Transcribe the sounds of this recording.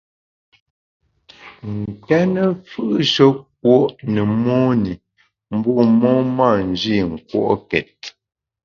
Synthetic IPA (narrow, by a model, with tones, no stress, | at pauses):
ŋ̩˨kɛ˦nə˦fɯ˦ʔʃo˦k̚wo˦ʔnə˨mo˦ni˨ | m̩˦bɔ˦˨mɔ˦ma˦˨n˨d͡ʒi˦˨ŋ̩˨kwo̰˦˨ʔkɛ˨t̚